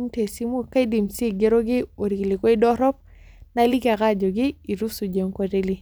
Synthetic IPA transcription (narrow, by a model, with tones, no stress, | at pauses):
mte˨si˦mo˦ka˦i˦di˨mse˦˨ɡe˦ɾo˦ɡɪ˦o˨ɾi˨klɪ˨kɔ˦i˦dɔ˦ɾɔ˦p̚ | na˦li˦ka˨ka˦d͡ʒo˨ɡɪ˦i˨ɾu˦su˨d͡ʒe˨ŋkɔ˦te˦li˦